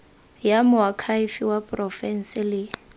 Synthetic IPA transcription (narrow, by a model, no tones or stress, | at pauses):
jamʊakʰaifiwapʼrɔfɛn̩sɪlɪ